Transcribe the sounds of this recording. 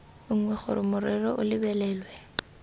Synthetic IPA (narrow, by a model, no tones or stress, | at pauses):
ŋ̩ŋwɛχʊ̰ɾɪmʊɾɪrɔʔʊlɪbɛlɛːlwɛ